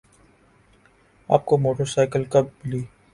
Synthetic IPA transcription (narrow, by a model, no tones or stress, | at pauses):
a̰ːp̚komoːʈəɾsaːɪkəlkɐb̚liː